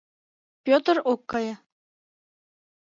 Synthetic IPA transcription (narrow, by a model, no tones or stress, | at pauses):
pʲot̪rokːɑjɤ̆